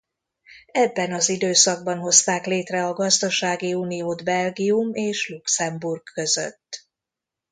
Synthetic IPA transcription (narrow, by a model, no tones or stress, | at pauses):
ɛbːɛnɒzid̪øːsɒɡ̚bɒnɦo̞st̪aːkleːt̪rɛɒɡɒzd̪ɒʃaːɡiuːnijoːd̪bɛlɡiumeːʃluksɛmburkːø̞zø̰t̪ː